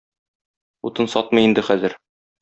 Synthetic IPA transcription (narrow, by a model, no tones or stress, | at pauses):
ut̪ɤnsɒt̪̚mɤ̆jind̪ɘχæzɘɾ